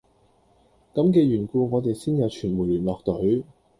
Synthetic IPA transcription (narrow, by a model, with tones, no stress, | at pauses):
kɐ˨˥mkɛː˧ɥyː˨˩nkuː˧ŋɔː˨˧t̪e˨jsiː˥njɐ˨˧wt͡ʃʰyː˨˩nmuː˨˩jlyː˨˩nlɔː˨k̚t̪ɵ˨˥ɥ